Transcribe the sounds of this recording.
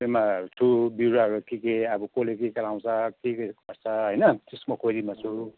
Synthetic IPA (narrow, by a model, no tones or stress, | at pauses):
emat͡sʰubiɾaʌɾukikeʌbʌkolekekʌlaw̃t͡sʰʌkekeʌst͡sʰʌɦʌjnʌt̪esmokʰod͡zimat͡sʰu